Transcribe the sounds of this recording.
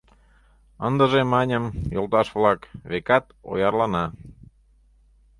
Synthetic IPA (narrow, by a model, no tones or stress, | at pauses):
ənd̪əʒemɑnʲəmjolˠt̪ɑʃβlɑkβekɑt̪o̰jɑrlɑnɑ